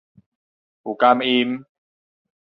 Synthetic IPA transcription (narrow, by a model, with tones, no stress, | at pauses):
ʔu˨˩ka˧mʔi˧m